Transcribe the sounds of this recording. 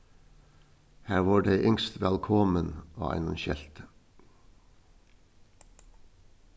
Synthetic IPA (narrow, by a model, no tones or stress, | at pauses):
hæːʁʋɑːɖeɪʔʏŋst̪ʋælkʰɔməno̰ːʔæ̰ɪnɔnʃɛlt̪ə